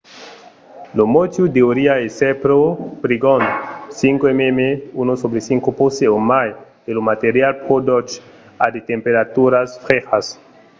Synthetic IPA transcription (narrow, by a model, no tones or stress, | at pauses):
lomot̪jud̪eoɾiaesepɾopɾiɡonsiŋkoememeunosobɾesiŋkoposeomajdelomat̪eɾjalpod̪ot͡ʃ | ad̪et̪empeɾat̪uɾasfɾexas